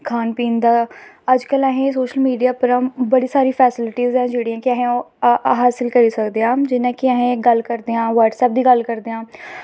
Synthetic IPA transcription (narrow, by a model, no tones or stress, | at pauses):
kʰaːnpiːnd̪aː | əd͡ʒkəlɛɦẽːs̬oːʃəlmiːɖijaːpəɾãbəɽiːsaːɾiːpʰɛːsɪlɪʈiːzɛ̃ːd͡ʒeːɽiːãːkɪɛːɦẽo | ɦaːsɪlkəɾiːsəkd̪eãːd͡ʒɪnãːkɪɛɦẽːɡəlkəɾd̪eãːʋəɾʈsɛːp̚d̪iːɡəlkəɾd̪eːãː